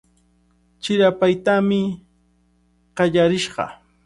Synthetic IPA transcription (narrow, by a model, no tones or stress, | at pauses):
t͡ʃɪɾapajt̪amɪ | ɢ̥ɑʎaɾɪʃɢɑ̰